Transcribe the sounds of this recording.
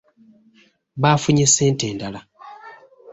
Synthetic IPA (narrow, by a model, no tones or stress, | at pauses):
βaːfuɲiseːnte̞ːndala